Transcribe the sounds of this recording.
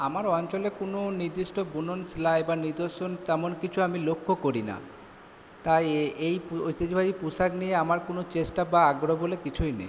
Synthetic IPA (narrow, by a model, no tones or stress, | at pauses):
amaɾɔnt͡ɕolekononiɾd̪ɾiʃʈʰobunonslaebaniɾd̪oʃont̪ɛmonkit͡ɕʰuamilokʰːokoɾina̰ | t̪ajejpojt̪ːed͡ʑibʱaɾipusaknieamaɾkonot͡ɕesʈabaaɡɾobolekit͡ɕʰujnḛj